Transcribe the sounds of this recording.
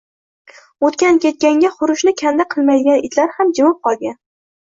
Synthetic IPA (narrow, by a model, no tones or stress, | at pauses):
ot̪kʲankʲe̞t̪̚kʲaŋɡʲaχʊɾʊʃnɪkʲʰand̪aqʰɨlˠmajd̪ɪɡʲanɪt̪ʰlaɾhamd͡ʒɪmɪp̚qʰɒlˠɡʲan